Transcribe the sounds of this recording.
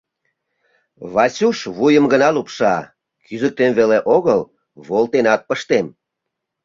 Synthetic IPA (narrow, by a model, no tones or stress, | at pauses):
βɑsuʃβujəmɡənɑlupʃɑ | kyzək̚t̪emβeleʔoɣəl | βolt̪enɑt̪̚pəʃt̪em